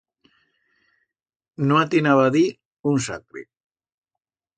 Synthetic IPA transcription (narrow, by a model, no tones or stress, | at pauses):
noat̪inaβaði | unsa̰kɾḛ